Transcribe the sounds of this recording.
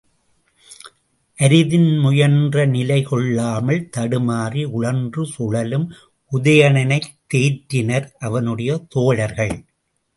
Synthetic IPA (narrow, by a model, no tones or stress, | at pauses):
ʔɐɾɪðɪnmʊjɐndrɐnɪlɐɪkɔɭːaːmɐlt̪ɐɽɯmaːriʊɻɐndrɯsʊɻɐlɯm | ʔʊðɐjɐɳɐnɐɪt̪ːeːʈɾɪnɐɾʔɐʋɐnɯɽɐjɐt̪oːɻɐɾɣɐɭ